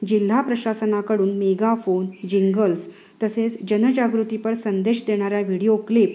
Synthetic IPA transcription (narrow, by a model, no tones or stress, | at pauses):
d͡ʑil̤ːapɾəɕasənakəɽuːnmeɡafond͡ʑiŋɡəls | t̪əset͡sd͡ʑənəd͡ʑaɡɾut̪ipəɾsənd̪eɕd̪eɽ̃aɾjaʋiɽijoklip